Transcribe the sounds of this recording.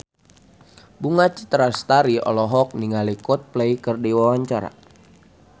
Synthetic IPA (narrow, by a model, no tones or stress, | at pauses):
buŋat͡ʃi̥t̪ɾast̪aɾiɔ̰lɔɦɔk̚niŋalikɔt̪̚plɛikərdiwawaɲt͡ʃaɾa̰